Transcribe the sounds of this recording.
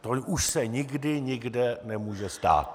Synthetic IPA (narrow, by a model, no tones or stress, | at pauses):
t̪ouʃsɛɲɪɡdɪɲɪɡdɛnɛmuːʒɛst̪a̰ːt̪̚